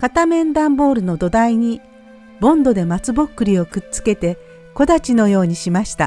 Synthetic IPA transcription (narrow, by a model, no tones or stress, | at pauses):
kat̪amẽ̞nd̪ãmbo̞ːɾɯ̟no̞d̪o̞d̪aiɲ̟i | bõ̞nd̪o̞d̪e̞mat͡sɨbo̞kːɯ̟ɾʲio̞kɯ̟tt͡sɨ̥ke̞t̪e̞ | ko̞d̪at͡ɕino̞jo̞ːɲ̟iɕimaɕi̥t̪a̰